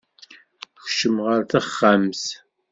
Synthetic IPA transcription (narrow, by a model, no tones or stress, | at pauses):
xʃəmʁəɾθæχːams